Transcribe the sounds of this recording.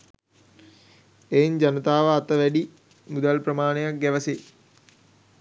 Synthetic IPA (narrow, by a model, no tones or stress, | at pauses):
ejɲd͡ʒanət̪aːʋəat̪əʋæɖi | mud̪alpɾəmaːnejak̚ɡæʋəse